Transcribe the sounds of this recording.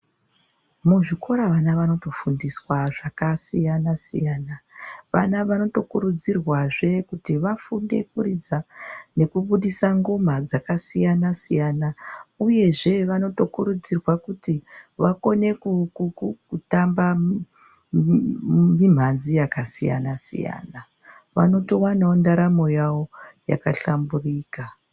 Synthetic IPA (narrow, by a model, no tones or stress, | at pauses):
muʐiko̞ɾaʋanaʋano̞to̞fundiswaʐakasijanasḭjaːnaʋa̰naʋano̞to̞kuɾud͡zirwaʐe̞kutiʋafunde̞̰kurid͡zane̞kuɓuɗisaŋɡom̤ad͡zakasijanasijanauje̞ʐe̞ʋano̞to̞kuɾud͡zirwakutiʋako̞ne̞kukukutamba | mim̤anzijakasija̰nasḭja̰ːna | ʋano̞to̞wanaondaɾamo̞jawo̞ja̰kaɬamburiːka